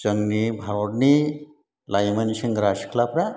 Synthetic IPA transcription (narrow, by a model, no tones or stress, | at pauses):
t͡ʃəŋɡnibʱaoɽni | lajmɐnɕiŋɡɾaɕkʰlapɾa